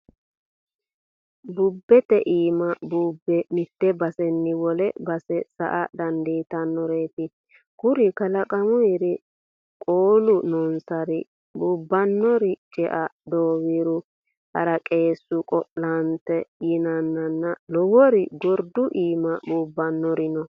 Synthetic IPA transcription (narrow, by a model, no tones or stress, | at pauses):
bʊbːɛt̪ɛʔiːmɐbuːbːɛmɪt̪ːɛbɐsɛnːɪwɔlɛbɐsɛsɐ̰ʔɐd̪ɐnd̪iːt̪ɐnːɔɾeːt̪ɪ | kʊɾɪkɐlɐkʼɐmʊjɾɪ | kʼoːlʊnɔnsɐɾɪ | bʊːbːɐnːɔɾɪt͡ʃʼɛʔɐd̪oːwiɾʊ | hɐɾɐkʼe̞ːsːʊkʼɔʔlɐnt̪ɛjɪnɐnːɐnːɐlɔwɔɾɪɡɔɾd̪ʊʔiːmɐbuːbːɐnːɔɾɪnɔ